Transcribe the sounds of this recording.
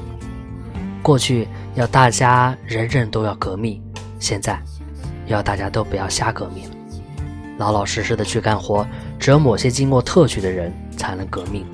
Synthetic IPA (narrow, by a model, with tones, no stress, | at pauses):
kwɔ˥˧t͡ɕʰy˥˩ | jɑ˥˧ʊt̪a˥˩t͡ɕja˥ɻə˧˥nɻə˥˩nt̪o˥ʊjɑ˥˩ʊkɤ˧˥mi˥˩ | ɕjɛ˥˧nt͡sa˥˩ɪ˧ | jʊt̪a˥˩t͡ɕja˥t̪o˥ʊpu˨˧˥jɑ˥˩ʊɕja˥kɤ˧˥mi˥˩ | lɑ˧˥ʊlɑ˨˩ʊʂɻ̩˥˧ʂɻ̩˥˩d̪ə˩t͡ɕʰy˥˩ka˥nxwɔ˧˥ʈ͡ʂɻ̩˧˥jo˧˥ʊmo˨˩ʊɕjɛ˥t͡ɕi˥ŋkwɔ˥˧t̪ʰɤ˥˧t͡ɕʰy˥˩d̪ə˩˦ɻə˧˥n | t͡sʰa˧˥ɪnɤ˧˥ŋkɤ˧˥mi˥˩ŋ